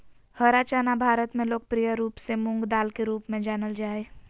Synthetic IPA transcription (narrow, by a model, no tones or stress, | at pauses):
həɾat͡ʃaːnabʱaːɾət̪mẽloːk̚pɾijəɾuːpsemʊŋɡd̪aːlkeɾuːpmẽd͡ʒaːnəld͡ʒaːe